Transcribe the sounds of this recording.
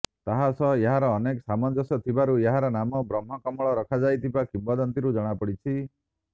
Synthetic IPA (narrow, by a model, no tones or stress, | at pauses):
t̪aɦasɔeɦaɾɔːnekɔsamɔnd͡ʒɔsɔt̪ʰibaɾueɦaɾɔnamɔbɾɔmɦɔkɔmɔɭɔɾɔkʰad͡ʒajt̪ʰibakimbɔd̪ɔnt̪iɾud͡ʒɔɽ̃apɔɽit͡ʃʰi